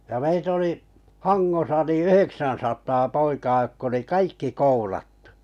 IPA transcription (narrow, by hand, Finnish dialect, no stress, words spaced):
jɑ meit oli hɑŋːosɑ ni yheksæn̞sɑtˑɑː poikɑː jokː oli kɑikːi koulɑtːu̥